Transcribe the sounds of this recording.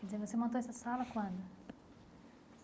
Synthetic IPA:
d̪izẽvosemɐ̃t̪oɛsɐsalɐkwãd̪ʊ

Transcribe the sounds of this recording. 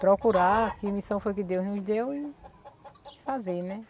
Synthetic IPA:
pɾɔkuɾakɪmisɐ̃w̃fojkɪd̪ewznʊzd̪ewɪ | fazeɾnɛ

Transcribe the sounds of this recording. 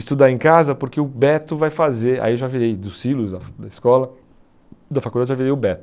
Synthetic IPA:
ɪst̪ud̪aẽkazɐpʊɾkeʊbɛt̪ʊvajfazeɾa̰iewʒaviɾejd̪ʊsilʊzd̪ɐd̪ɐɪskɔlɐ | d̪ɐfakud̪ad͡ʒɪʒaviɾejʊbɛt̪ʊ

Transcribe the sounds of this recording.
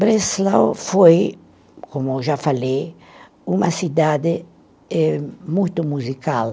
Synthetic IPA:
bɾeslawfoj | komʊewʒafalej | umɐsid̪ad̪ɪ | ɛmujt̪ʊmuzikal

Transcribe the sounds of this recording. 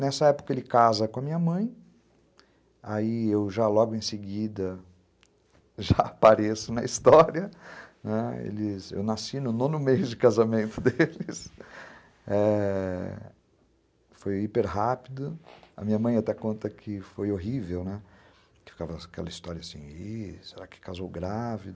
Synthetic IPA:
nɛsɐɛpʊ̥kɐelɪkazɐkõɐmĩɲɐmɐ̃j̃ | aiewʒalɔɡʊẽj̃sɪɡid̪ɐ | ʒaapaɾesʊnɐist̪ɔɾiɐnɛḛlɪsḛwnasinʊnõnʊmejʊd͡ʒɪkazamẽnt̪ʊd̪elɪs | ɛ | fojipeɾɦapid̪ʊɐ̰mĩɲɐmɐ̃j̃at̪ɛkõnt̪ɐkʰɪfojoɦivewnɛ | kɪ̥fi̥kavɐkɛlɐist̪ɔɾiɐsḭ̃iseɾakɪ̥kazowɡɾavid̪

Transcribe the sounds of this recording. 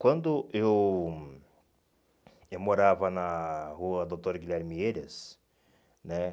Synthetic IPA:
kwɐ̃nd̪ʊew | ewmoɾavɐnaɦuɐd̪ot̪oɾɡilʲɛɾmieɾes | nɛ

